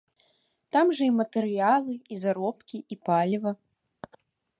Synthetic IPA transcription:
t̪amʐɐimɐt̪ɛɾɨjalˠɨizaɾɔpkʲiipalʲvɐ

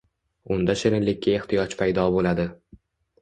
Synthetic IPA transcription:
ʊnd̪aʃɪɾɪnlɪkʲʰːae̞ht̪ʰɪjɒt͡ʃpʰajd̪ɒbolad̪ɪ

